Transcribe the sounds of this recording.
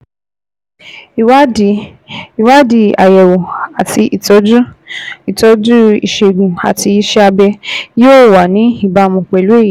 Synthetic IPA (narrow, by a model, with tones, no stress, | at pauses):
i˨wa˦di˨ | i˨wa˦di˧a̰˨jɛ˨wo˨a˨ti˧ʔi˨tɔ˨˦d͡ʒu˦i˨tɔ˧˦d͡ʒu˦ḭ˨ʃe˨ɡũ˨a̰˨ti˧i˦ʃɛ˦a˧bɛ˧jo˦˨wa˨nĩ˨˦i˦˨ba˨˧mũ˧k͡pɛ˨lu˨˦e˦˨ji˨